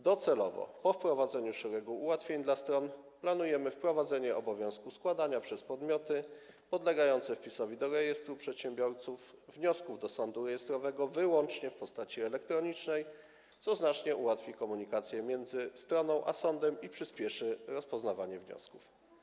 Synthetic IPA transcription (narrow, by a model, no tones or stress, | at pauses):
d̪ɔt̪sɛlɔvɔ̰pɔfpɾɔvad̪zɛɲuʂɛɾɛɡuːwat̪fʲjeɲd̪last̪ɾɔnplanujɛmɘfpɾɔvad̪zɛɲɛʔɔbɔvʲjɔ̃w̃skuskwad̪aɲapʂɛspɔd̪mʲjɔt̪ɘ | pɔd̪lɛɡajɔnt̪sɛfpʲisɔvʲid̪ɔɾɛjɛst̪ɾupʂɛt̪ɕɛmbʲjɔɾt̪sufːɲɔskuvd̪ɔsɔnd̪uɾɛjɛst̪ɾɔvɛɡɔvɘwɔnt͡ʂɲɛfpɔst̪at͡ɕiɛlɛk̚t̪ɾɔɲit͡ʂnɛj | t̪sɔznat͡ʂɲɛʔuwat̪fʲikɔmuɲikat̪sʲjɛmʲjɛnd̪zɘst̪ɾɔnɔ̃w̃ʔa̰sɔnd̪ɛmipʂɘspʲjɛʂɘɾɔspɔznavaɲɛvɲɔ̰sku̥f